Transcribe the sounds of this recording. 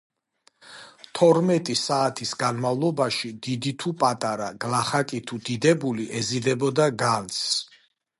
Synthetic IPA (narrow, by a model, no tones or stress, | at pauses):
t̪ʰɔɾmɛt̪ʼisaːt̪ʰisɡanmavlˠɔbaʃid̪id̪it̪ʰupʼat̪ʼaɾaɡ̥laχakʼit̪ʰud̪id̪ɛbuliʔɛzid̪ɛbɔd̪aɡant̪s